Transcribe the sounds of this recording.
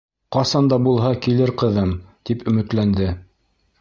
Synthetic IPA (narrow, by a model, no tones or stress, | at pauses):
qɑsɑnd̪ɑbulˠɦɑkilɘɾqɤ̆ðɤmt̪ipɵ̆mɘ̆t̪lænd̪ɘ